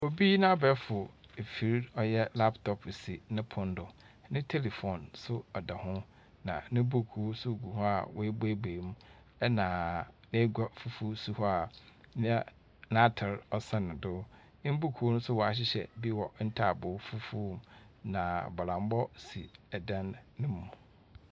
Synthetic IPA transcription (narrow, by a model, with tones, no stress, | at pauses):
o˨bi˦nã˦bɛ˦fʊ˨e˨fi˨ɾɔ˦jɛ˦la˦ptʰɔ˨psi˨nɪ̃˦pʰʊ̃˨n˦dʊ˨ | nɪ̃˦tʰe˦li˨fɔ˨nsʊ˦ɔ˨da˨hʊ̃˦ | nã̰˨nɪ̃˦bu˦kʰu˨˦sʊ˦˨ɡu˨hɔ˦a˨wɔ˦e˦be˦beː˨mũ˦ | ɛ˦nãː˨nẽ˦ɡa˦fu˦fu˦su˦hɔ˦a˨nɪ̃˦ | nã˦tʰɪ˨ɾɔ˨sã˨nɪ̃˨dʊ̃˦ | m̩˦bu˦kʰu˨˦o˦nʊ̃˦sʊ˦wɔ˨a˨ɕ̬ɪ˦ɕɛ̰˨bi˦wɔ˨n̩˦tʰa˦˨bʊ˨˦fu˦fu˦˨mnã˨bɔ˨lã˨m˦bɔ˦si˨ɛ˨dã˦nːɪ̃˦m˨ʊ̃˨